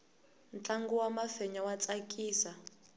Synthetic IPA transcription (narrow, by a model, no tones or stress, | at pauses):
nt͡ɬʼaŋɡuwamafɛɲawat͡sʼakʼiːsa